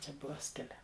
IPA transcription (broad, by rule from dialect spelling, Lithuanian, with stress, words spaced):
ˈt͡ʃʲɛ ˈbʊʋɐ ˈsʲkʲɪlʲæː